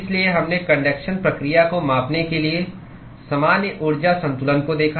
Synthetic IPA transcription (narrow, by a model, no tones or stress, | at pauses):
ɪslieɦɐmnekɐ̃ɳɖeːkʃənpɾɐkɾijakomãːpnekelie | sɐmaːnjəʔʊɾd͡ʒasɐ̃nt̪ʊlənkod̪eːkʰa